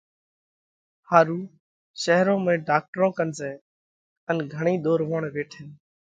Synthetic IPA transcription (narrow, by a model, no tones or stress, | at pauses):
haːɾuː | ʃəɦɾõːmẽːɖaːk̚ʈɾõːkənsẽː | ənɡʱəɳ̃iːɗ̪oːɾʋoːɳʋeːʈʰɪn